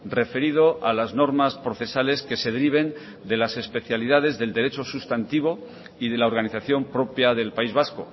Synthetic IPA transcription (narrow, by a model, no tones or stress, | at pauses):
re̞fe̞ɾiðo̞ʔalazno̞ɾmaspɾo̞θe̞sale̞ske̞se̞ðeɾiβ̞e̞n | d̪e̞lase̞spe̞θjaliðaðe̞zðe̞ld̪e̞ɾe̞t͡ʃo̞sust̪ant̪iβ̞o̞ | iðe̞lao̞ɾɣaniθaθjo̞mpɾo̞pjaðe̞lpaizβ̞asko̞̰